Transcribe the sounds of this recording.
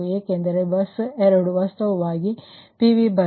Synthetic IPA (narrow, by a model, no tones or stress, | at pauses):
eːkend̪ɐɾebɐseɾɐɽuʋast̪ɐʋɐʋaːɡipiʋibɐ